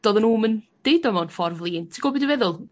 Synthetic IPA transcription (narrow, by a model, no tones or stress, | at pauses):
d̥ɔðənuːmənd̥ejdɔmɔnfɔrvlˠiːntʰiɡɔbɪdɪvɛðʊlˠ